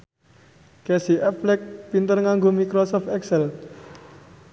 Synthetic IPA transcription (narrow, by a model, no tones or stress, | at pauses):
kɛsiʔɛflɛk̚pint̪ərŋaŋɡomikɾosɔft̪ɛksɛl